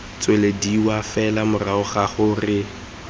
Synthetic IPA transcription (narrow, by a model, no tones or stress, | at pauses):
t͡sʼwelediwafɛlamʊraʊχaχʊrɪ